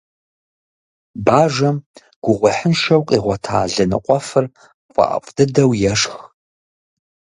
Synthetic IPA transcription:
baːʒɐm | ɡ̥ʷʊʁʷɔħənʃɐwqʼiːʁʷɔtʰa̰ːɮɐnɨ̰qʷʼɔfɨr | qʷʼɑ̰ʔa̰pʷʼd̥ɨdɐwjɛʂx

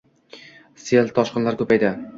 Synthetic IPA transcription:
selt̪ʰɒʃqɨnlaɾkʰɵpajd̪ɪ

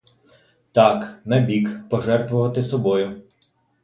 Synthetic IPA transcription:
t̪ɑknɛbʲikpɔʒɛrt̪ʋʊʋɐt̪ɪsɔbɔjʊ

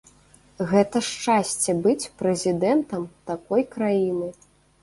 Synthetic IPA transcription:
ɣɛt̪ɐʂt͡ʂasʲt͡sʲɛbɨt͡sʲpɾɛzʲid̪ɛnt̪ɐmt̪akɔjkɾajinɨ

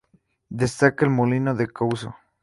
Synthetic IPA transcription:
d̪est̪akaelmolinoðekawso̰

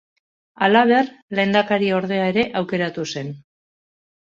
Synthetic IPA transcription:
alaβe̞rle̞nd̪akaɾio̞ɾð̞e̞ae̞ɾe̞ʔawke̞ɾat̪use̞n

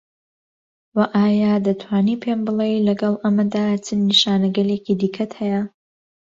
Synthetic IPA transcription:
wɐʔaːjaːd̪ɐt̪ʰwaːniːpʰeːmbɨlˠejlɐɡɐlˠʔɐmɐd̪aːt͡sʰɨnːiʃaːnɐɡɐleːkiːd̪ikʰɐt̪hɛjɐ

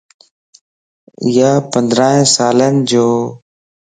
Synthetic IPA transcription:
ɪjaːpənd̪ɾaːẽːsaːlənd͡ʒoː

